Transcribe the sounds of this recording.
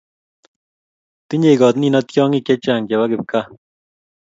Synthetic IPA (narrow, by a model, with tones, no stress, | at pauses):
t̪i˦ɲe˨kɔ˨t̪ni˦nɔ˦t̪jɔː˦ŋi˦˨kːɛ˦t͡ʃaː˨ŋɡɛ˨wa˦kɪ˨p̚ka˦